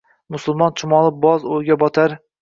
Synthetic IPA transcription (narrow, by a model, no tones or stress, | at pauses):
mʊsʊlˠmɒnt͡ʃʰʊmɒlˠɪbɒzojɡʲabɒt̪ʰaɾ